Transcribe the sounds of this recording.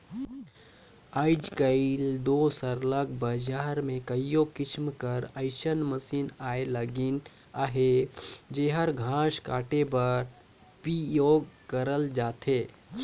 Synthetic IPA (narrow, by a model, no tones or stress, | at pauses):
aɪd͡ʒkəild̪oːsəɾləkbəd͡ʒaːɾmẽkəjjokɪt͡ʃmkəɾəɪʃənməsiːnaːeləɡɪn | aɦed͡ʒeːɦəɾɡʱãːʃka̰ːʈebəɾ | pijoːɡkəɾəld͡ʒaːt̪ʰeː